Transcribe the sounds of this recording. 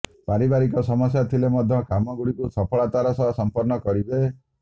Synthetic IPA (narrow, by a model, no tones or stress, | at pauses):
paɾibaɾikɔsɔmɔsjat̪ʰilemɔd̪ʱjɔkamɔɡuɽikusɔpʰɔɭat̪aɾɔsɔɦɔsɔmpɔɾnɔkɔɾibe